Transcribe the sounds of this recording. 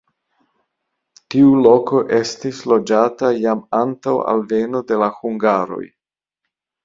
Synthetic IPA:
tiulo̞ko̞ʔe̞stislo̞d͡ʒatajamantawa̰lveno̞de̞lahuŋɡaɾo̞̰j

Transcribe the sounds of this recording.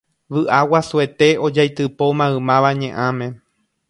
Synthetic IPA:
ʋɨʔawasue̞t̪e̞o̞d͡ʒajt̪ɨpo̞mãɨmãʋaɲẽʔãmẽ

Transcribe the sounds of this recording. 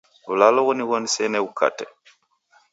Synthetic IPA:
ulalɔɣɔniβɔnisɛnɛukʰa̰tɛ

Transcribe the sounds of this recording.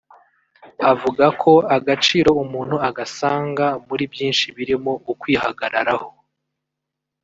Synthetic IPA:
avuɡakʰo̞aɡat͡ʃiːɾo̞umuːn̥huaɡasaːŋɡamuɾibjiːnʃiβiɾimo̞ukwiːhaɡaɾa̰ɾaho

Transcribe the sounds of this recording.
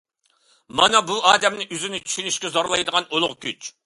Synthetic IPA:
mɑnɑbuɑːd̪ɛmnɪʔyzynɪt͡ʃ̪ʰy̥ʃynyʃkʲɛzoɾlˠɑjd̪əʁɑnolˠʊʁkʲyt͡ʃ

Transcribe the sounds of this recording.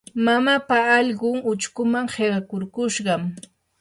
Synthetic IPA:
mamapaːʎɢʊŋʊt͡ʃkʊmaŋheɢɑkʊɾkʊʃɢɑm

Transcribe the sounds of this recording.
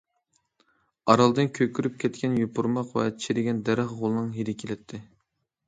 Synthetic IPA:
ɑɾɑlˠd̪ɨnkʲʰøkʲʰyɾyp̚kʲʰɛt̪̚kʲɛnjupʰuɾmɑqwɛ̰̥t͡ʃʰiɾɪɡʲɛnd̪ɛɾæχʁolˠɨnɨŋɦiɾɪkʲʰelɛt̪ʰːɪ

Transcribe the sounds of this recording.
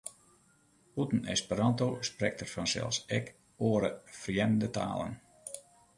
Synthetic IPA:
hutən̩ɛ̰spəɾɑntosprɛk̚tərfɑnsɛ̰lˠsɛk | oəɾəfərjɛnəndəta̰ːlˠə̰n

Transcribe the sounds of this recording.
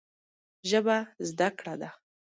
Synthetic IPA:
ʒəbazd̪akɽad̪a

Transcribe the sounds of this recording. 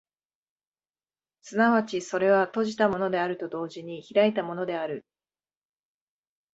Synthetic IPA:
sɨnaβat͡ɕiso̞ɾe̞βat̪o̞ʑit̪amo̞no̞d̪e̞aɾɯ̟t̪o̞d̪o̞ːʑiɲ̟içiɾait̪amo̞no̞d̪e̞aɾɯ̟

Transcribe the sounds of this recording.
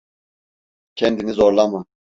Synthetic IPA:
cʰɛnd̪inizoɾlˠamɯ

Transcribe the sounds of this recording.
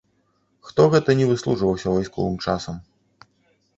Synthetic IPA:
xt̪ɔɣɛt̪ɐnʲɛvɨslˠuʐvɐwsʲɐvajskɔ̰vɨmt͡ʂasɐm

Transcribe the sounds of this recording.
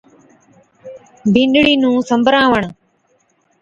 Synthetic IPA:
bĩnɗɽiːnũːsəmbʱəɾãːʋəɳ

